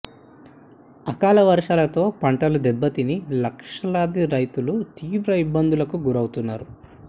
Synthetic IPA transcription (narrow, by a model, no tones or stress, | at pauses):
ɐkaːlɐʋɐɾʂaːlɐt̪o̞ːpɐɳʈɐlud̪ɛbːɐt̪inilɐkʂɐlaːd̪iɾɐjt̪ulut̪iːʋɾɐibːɐnd̪ʱulɐkuɡuɾɐwt̪unːaːɾu